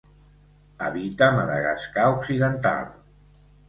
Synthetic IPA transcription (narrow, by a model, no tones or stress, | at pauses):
əβit̪əməðə̰ɣa̰skauksiðənt̪a̰lˠ